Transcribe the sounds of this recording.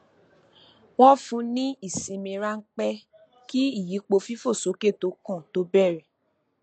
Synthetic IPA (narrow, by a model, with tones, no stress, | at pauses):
w̃ɔ̃˦fũ˧˦nĩ˦i˦˨sĩ˧mĩ˧ɾa˦ŋ̩˦k͡pɛ˦ | ki˦i˦˨ji˨˦k͡po˧fi˦fo˦˨so˨˦ke˦˨to˨˦kɔ̃˦˨to˨˦bɛ˦˨ɾɛ˨